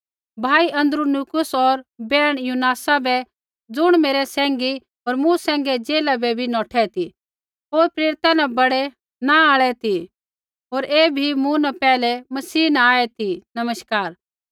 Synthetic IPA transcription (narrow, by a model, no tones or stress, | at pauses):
bʱaːiʔɐ̃nd̪ɾunukʊsɔːɾbɛːɽ̃junaːsabɛ | d͡zʊɽ̃meːɾɛsɛ̃ːŋɡi | oːɾmũsɛ̃ːŋɡɛd͡zeːlabɛbʱinɔːʈʰɛt̪i | ɦoːɾpɾeːɾɪt̪anɛ̃bɐɽɛ | naaːɭɛt̪ʰi | ɦoːɾeːbʱimũnɛpɛːlɛmɐsiːnɛ̃aːɛt̪ʰinɐməʃkaːɾ